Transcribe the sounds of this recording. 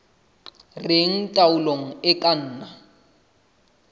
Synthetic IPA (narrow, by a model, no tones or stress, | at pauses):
rɪŋ̩tʼaʊloŋ̩ɪkʼan̩ːna